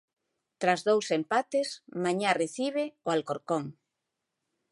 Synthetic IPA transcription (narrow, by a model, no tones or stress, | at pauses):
t̪ɾazðowsempat̪esmãɲareθiβ̞eoalkoɾkoŋ